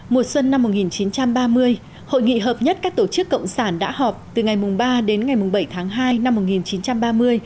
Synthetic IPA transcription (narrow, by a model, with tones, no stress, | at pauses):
mo˨˩t̚swə˧nːa˧mːo˨˩t̚ŋi˨˩nt͡ɕi˨˦nt͡ɕa˧mɓaː˧mɨ˧əj | ho̰˧˨jŋḭ˧˨ɦəː˨˩p̚ɲə˦˥t̚kaː˦˥k̚t̪o˧˩t͡ɕɨ˦˥kːə̰˧˨wŋ͡msaː˧˩nɗa̰ː˧˥hɔ˨˩p̚t̪ɨ˨˩ŋa˨˩jmʊ˨˩ŋ͡mɓaː˧ɗe˨˦nŋa˨˩jmʊ˨˩ŋ͡mɓə˧˩jt̪ʰaː˨˦ŋɦaː˧jna˧mːo˨˩t̚ŋi˨˩nt͡ɕi˨˦nt͡ɕa˧mɓaː˧mɨ˧əj